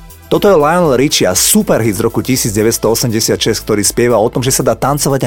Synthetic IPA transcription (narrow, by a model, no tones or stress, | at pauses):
t̪ɔt̪ɔjɛlajɔnlɾit͡ʃɪasupɛɾɦid̪zɾɔkucisiːd͡zɟɛʋɛtst̪ɔɔsɛmɟɛsɪat̪ʃɛsk̚t̪ɔɾiːspɛʋaɔt̪ɔmʒɛsad̪aːt̪ant͡sɔʋaɟa